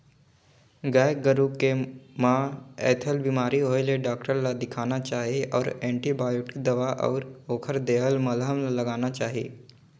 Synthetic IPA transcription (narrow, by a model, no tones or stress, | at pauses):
ɡaj̚ɡəɾukemãɛ̰ːt̪ʰəlbimaːɾiɦoːjleɖaːkʈəɾlad̪ɪkʰaːnat͡ʃaːɦeɔ̰ːɾẽːɳʈibaːjoʈɪ̥k̚d̪ɐʋaʔɔ̰ːɾoːkʰəɾd̪eːɦəlməlɦəmalɐɡaːnat͡ʃaːɦiː